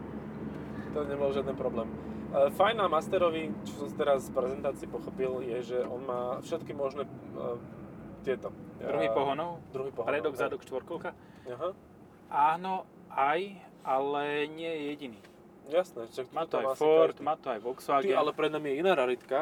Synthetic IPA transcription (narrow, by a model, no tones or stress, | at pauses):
t̪ɔɲɛbɔlʒɪad̪ɛnpɾɔblɛːmː | fajnamast̪ɛɾɔʋit͡ʃɔsɔmsi̥t̪ɛɾasfpɾɛzɛnt̪aːt͡siɪːpɔxɔpiljɛʒɛʔɔnmaːfʃɛt̪kimɔʒnɛ | t̪ɪɛt̪ɔd̪uɦipɔɦɔnɔʊd̪ɾuɦipɔpɾɛd̪ɔɡzad̪ɔkʃt̪ʋɔɾkɔʊka | aɦa | ʔaːnɔ | aj | ʔalɛɲɪɛjɛjɛɟiniː | jasnɛʃakmaːt̪ɔajfɔɾt̪maːt̪ɔajʋɔksɔaːɡalɛpɾɛd̪naːmjɛinaːɾaɾit̪ka